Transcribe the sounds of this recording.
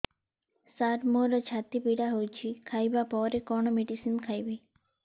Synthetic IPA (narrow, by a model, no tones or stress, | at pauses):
saːʈmoɾət͡ʃʰat̪ipiɽaɦot͡ʃʰikʰajbapɔːɾekɔɳomeɖisimkʰajbi